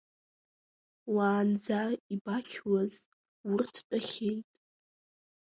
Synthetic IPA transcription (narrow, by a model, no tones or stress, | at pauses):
waːnd͡zaibakʲʰwaz | wʊrtʰt͡pʼaχʲejtʼ